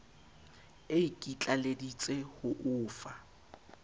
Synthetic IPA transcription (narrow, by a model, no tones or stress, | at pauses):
eikʼit͡ɬʼaledit͡sʼehʊʔʊːfa